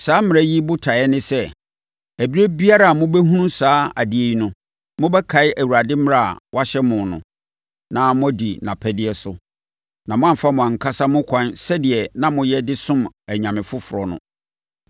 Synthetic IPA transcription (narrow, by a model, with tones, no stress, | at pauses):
saː˦mɪ̃˨ɾæ˦ji˦bʊ˦tʰa˨ɛ˦nɪ̃˦sɛ˦ | æ˨bi˦ɾe˦bi˦a˦ɾa˦˨a˨mʊ̃˦bɛ˦ɦũ˦nũ˦saː˦a˨di˨e˨ji˦nʊ̃˦ | mʊ̃˦bɛ˦kʰa˨˦ɪ˦ʔæ˨wu˨ɾa˨dɪ˦m˦ɾa˦˨a̰˨wa˦ɕɛ˦mʊ̃˨nʊ̰̃˨ | nã˦mʊ̃˦æ˦di˨nã̰˨pʰɛ˦dɪ˦ɛ˦sʊ˦ | nã˨mʊ̃˦ã˦m˨fa˦mʊ̃˨ã˨ŋ̩˨kʰa˦sa˦mʊ̃˦kʷʰã˦nsɛ˦dɪ˨ɛ˨nã˦mʊ̃˦jɛ˦dɪ˦sʊ̃˦mæ˨ɲã˨mɪ̃˨fʊ˦fʊ˨ɾɔ˨nʊ̰̃˦